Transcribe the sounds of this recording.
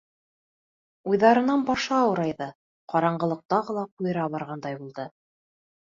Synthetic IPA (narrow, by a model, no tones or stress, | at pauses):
ujðɑɾɤ̆nɑnbɑʃɑːwɤ̆ɾɑjðɤ | qɑɾɑɴɢɤ̆lˠɤ̆q̚t̪ɑʁɤlˠɑqujɤ̆ɾɑbɑɾʁɑnd̪ɑjbulˠd̪ɤ